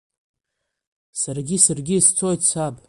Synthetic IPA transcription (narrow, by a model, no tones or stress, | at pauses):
sarɡʲisarɡʲiːst͡sʰojt͡sʷʰabʼ